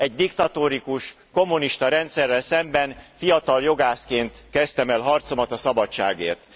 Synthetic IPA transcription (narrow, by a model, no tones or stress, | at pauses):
ɛɟd̪ikt̪ɒt̪oːɾikuʃ | ko̞mːuniʃt̪ɒɾɛnt̪sɛrːɛlsɛmbɛnfijɒt̪ɒljo̞ɡaːskeːnt̪kɛst̪ɛmɛlɦɒrt̪so̞mɒt̪ɒsɒbɒt͡ʃːa̰ːɡeːrt̪